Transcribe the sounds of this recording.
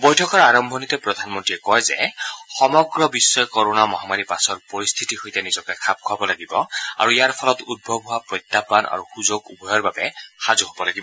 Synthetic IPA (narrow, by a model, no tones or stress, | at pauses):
bɔjtʰɔkɔɹaɹɔmbʱɔnitɔpɹɔd̪ʱanmɔntɹiɛkɔjzɛ̰xɔmɔɡɹɔbisːɔjkɔɹonamɔɦamaɹipasɔɹpɔɹist̪ʰitixojtɛnizɔkɛkʰab̚kʰʊabɔlaɡibɔ̰a̰ɹuijaɹpʰɔlɔtud̚bʱɔbʱɦoapɹɔjt̪ːapːanʔa̰ɹuxuzoɡubʱɔjɔɹbabɛxazuɦɔbɔlaɡibɔ